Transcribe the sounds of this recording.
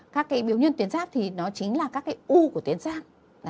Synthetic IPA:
kaː˦˥kːaː˨˦jɓi˨˦əwɲə˧nt̪i˨˦ənsaː˦˥k̚t̪ʰi˨˩nɔ˨˦t͡ɕï˨˦ŋ̟laː˨˩kaː˦˥kːaː˨˦jʔu˧ku˧˩ət̪i˨˦ənsaː˦˥k̚

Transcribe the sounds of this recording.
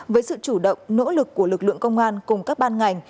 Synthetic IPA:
vəː˨˦jsɨ̰˧˨t͡ɕu˧˩ɗə̰˧˨wŋ͡mno̰˧˥lɨ˨˩kːu˧˩əlɨ˨˩k̚lɨ̰˧˨əŋkə˧wŋ͡mʔaː˧nkʊ˨˩ŋ͡mkaː˦˥k̚ɓaː˧nŋa˨˩jŋ̟

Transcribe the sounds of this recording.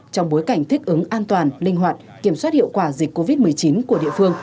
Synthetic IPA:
t͡ɕɔ˧wŋ͡mɓo˨˦jka˧˩jŋ̟t̪ʰï˦˥k̟̚ʔɨ˨˦ŋʔaː˧nt̪waː˨˩nlï˧ŋ̟ɦwaː˨˩t̚ki˧˩əmswaː˦˥t̚hḭ˧˨wkwaː˧˩zi˨˩k̚ko˧vi˦˥t̚mɨ˨˩əjt͡ɕi˨˦nku˧˩əɗḭ˧˨əfɨ˧əŋ

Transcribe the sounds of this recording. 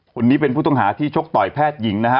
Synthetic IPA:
kʰo˧nːiː˦˥p̬e˧npʰuː˥˩t̪ɔ˥˩ŋɦaː˩˦t̪ʰiː˥˩t͡ɕʰo˦˥k̚t̪ɔː˨˩jpʰɛː˥˩t̪̚ji˩˦ŋna˦˥kʰa˦˥

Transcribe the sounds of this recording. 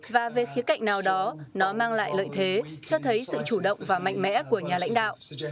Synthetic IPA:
vaː˨˩ve˨˩xi˨˦əka̰˧˨ŋ̟naː˨˩wɗɔ˨˦nɔ˨˦maː˧ŋla̰ː˧˨jlə̰ː˧˨jt̪ʰe˨˦t͡ɕɔ˧t̪ʰə˨˦jsɨ̰˧˨t͡ɕu˧˩ɗə̰˧˨wŋ͡mvaː˨˩ma̰˧˨jŋ̟mɛ̰˧˥ku˧˩əɲaː˨˩la̰˧˥jŋ̟ɗa̰ː˧˨wʔ

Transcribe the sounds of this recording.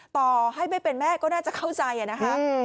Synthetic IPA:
t̪ɔː˧ɦa˥˩jma˥˩jpe˧nmɛː˥˩kɔː˥˩naː˥˩t͡ɕa˨˩kʰa˥˩wt͡ɕa˧jʔa˨˩na˦˥kʰa˦˥ʔ

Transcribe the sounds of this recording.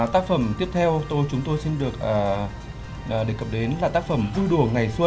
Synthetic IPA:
t̪aː˦˥k̚fə˧˩mt̪i˦˥əp̚t̪ʰɛ˧wt̪o˧jt͡ɕʊ˨˦ŋ͡mt̪o˧jsi˧nɗɨ˨˩ək̚ʔəː˨˩ | ʔːɗɨ˨˩əkːə˨˩p̚ɗe˨˦nlaː˨˩t̪aː˦˥k̚fə˧˩mvu˧ɗu˧˩əŋa˨˩jswə˧

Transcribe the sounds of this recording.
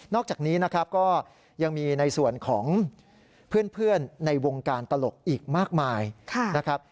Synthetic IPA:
nɔː˥˩k̚t͡ɕaː˨˩k̚niː˦˥na˦˥kʰɾa˦˥p̚kɔː˥˩ | ja˧ŋmiː˧na˧jsu˨˩ənkʰɔː˩˦ŋ | pʰɯ˥˩ənpʰɯ˥˩ənːa˧jwo˧ŋkaː˧nt̪a˧lo˨˩k̚ʔiː˨˩k̚maː˥˩k̚maː˧jkʰa˧˩na˦˥kʰɾa˦˥p̚

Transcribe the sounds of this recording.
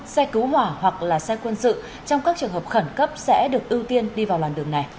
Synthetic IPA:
sɛ˧kɨ˨˦whwaː˧˩hwa˨˩k̚laː˨˩sɛ˧kwə˧nsɨ̰˧˨ | t͡ɕɔ˧wŋ͡mkaː˦˥k̚t͡ɕɨ˨əŋhəː˨˩p̚xə˧˩nkə˦˥p̚sɛ̰˧˥ɗɨ˨˩ək̚ʔi˧əwt̪i˧ənɗi˧vaː˨˩wlaː˨˩nɗɨ˨˩əŋna˨˩j

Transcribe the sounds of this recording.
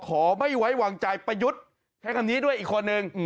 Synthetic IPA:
kʰɔː˩˦ma˥˩jwa˦˥jwaː˧ŋt͡ɕa˧jpa˧ju˦˥t̪̚ | t͡ɕʰa˦˥jkʰa˧niː˦˥du˥˩əjʔiː˨˩kʰːo˧nːɯ˧ŋ

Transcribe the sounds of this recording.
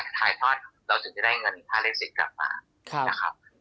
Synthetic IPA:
t̪ʰaː˨˩jt̪ʰɔː˥˩t̪̚ɾa˧wt̪ʰɯ˩˦ŋt͡ɕa˧˩daː˥˩jŋɤ˧npʰaː˥˩le˥˩si˨˩t̪̚kla̰˨˩p̚ma̰ː˧ | na˦˥kʰa˦˥p̚

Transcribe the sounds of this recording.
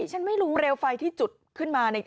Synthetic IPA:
t͡ɕʰa˦˥nma˥˩jɾuː˦˥ɾeː˧wfa˧jt̪ʰiː˥˩t͡ɕu˨˩t̪̚kʰɯ˥˩nmaː˧na˧jk

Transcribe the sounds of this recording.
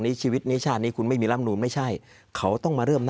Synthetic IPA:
ŋniː˦˥t͡ɕʰiː˧wi˦˥t̪̚niː˦˥t͡ɕʰaː˥˩t̪̚niː˦˥˩kʰu˧nma˥˩jmiː˧la˦˥m̚nuː˧˦ma˥˩jt͡ɕʰa˥˩j | kʰa˦˥wt̪ɔ˥˩ŋmaː˧ɾɤː˥˩mn

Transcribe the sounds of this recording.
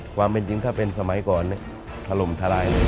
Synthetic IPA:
kʰwaː˧mpe˨˧nt͡ɕi˧ŋt̪ʰaː˥˩pe˧nsa˧ma˨˩˦jkɔː˨˩nː˧˩ | t̪ʰa˧lo˨˩mt̪ʰa˧laː˧jna˧˥˩

